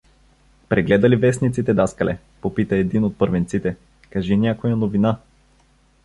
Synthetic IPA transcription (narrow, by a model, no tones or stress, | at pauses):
pɾɛɡlɛd̪ɐlivɛsnit̪sit̪ɛd̪askɐlɛ̰ | popit̪əɛd̪inot̪̚pɤɾvɛnt̪sit̪ɛ | kɐʒinʲakojɐnovina